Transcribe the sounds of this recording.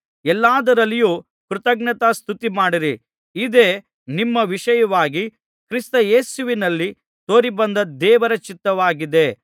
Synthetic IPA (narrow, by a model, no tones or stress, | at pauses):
ɛlːaːd̪ɐɾɐlːijuː | kɾut̪ɐɡnɐt̪ast̪ʰut̪imaːɽiɾi | id̪eː | nimːɐʋiʂɐjɐʋaːɡi | kɾist̪ɐjeːsuʋinɐlːi | t̪o̞ːɾibɐnd̪ɐd̪ɛːʋɐɾɐt͡ʃit̪ːɐʋaːɡid̪e̞